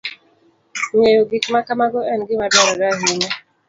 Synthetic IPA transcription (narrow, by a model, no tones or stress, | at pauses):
ŋejoɡikmakamaɡɔɛnɡɪmadaɾɔɾaɦeɲɛ